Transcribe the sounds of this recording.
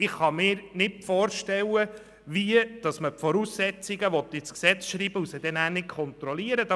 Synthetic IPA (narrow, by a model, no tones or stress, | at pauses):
ɪχχɑmɪːɾnɪtfɔːɾʃtɛlə | viəd̥ɑsməpfɔɾuːsːɛt͡siɡəʋɔt̪ːit͡sksɛt͡sʃɾiːb̥əusəd̥̪ɛnæːɾnɪtkʰχɔnt̪ɾɔliəɾəd̥ɑ